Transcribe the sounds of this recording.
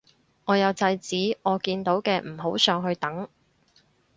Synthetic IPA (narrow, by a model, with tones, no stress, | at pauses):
ŋɔː˨˧jɐ˨˧wt͡sɐ˧jt͡siː˨˥ʔɔː˨˧kiː˧nt̪o˨˥wkɛː˧m̩˨˩ɦo˨˥wsœː˨˧ŋɦɵ˧ɥt̪ɐ˨˥ŋ